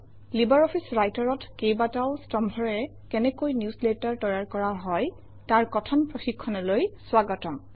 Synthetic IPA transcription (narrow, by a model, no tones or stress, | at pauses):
libaɹɔpʰisɹajtɔɹɔtkejbatawstɔmbʱɔɹɛɛ | kɛnɛkojnjusletaɹtɔjaɹkɔɹaɦɔj | taɹkɔtʰɔnpɹoxikʰːɔnɔlojswaɡɔtɔm